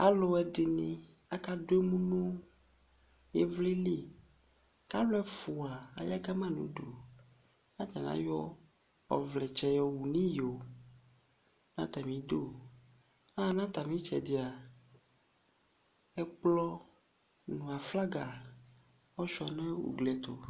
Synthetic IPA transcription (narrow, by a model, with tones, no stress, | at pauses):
a˦lo˦ɛ˦de˨nĩ˨ | a˦ka˦do˦e˦mũ˦nũ˦ | jɛ˦vli˦li˦ | ka˦lɛ˦fu˨a˨a̰˨ja˦ka˦mã˦nṵ̃˨ɖo˨ | ã˦t̪a˨nã̰˦jɔ˦ | ɔ̰˨vlɛ˨t͡ʃɛ˨jɔ˨wu˨nĩ˦jo˨ | nã˦t̪a˨mĩ˨do˦ | a˦nã˦t̪a˨mĩ˦t͡ʃɛ̰˨de˨a˨ | ɛ˦k͡plɔ˦ | nũ˨a˨fla˦ɡa˨ | ɔ˦ʃu˦a˨nɛ̃˦wṵ˨ɡlɛ˨t̪o̰˨